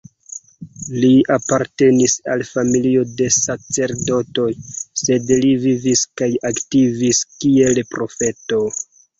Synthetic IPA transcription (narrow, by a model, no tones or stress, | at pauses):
liapaɾte̞nisalfamilio̞de̞sat͡se̞ɾdo̞to̞jse̞dliviviskajaktiviskielpɾo̞fe̞to̞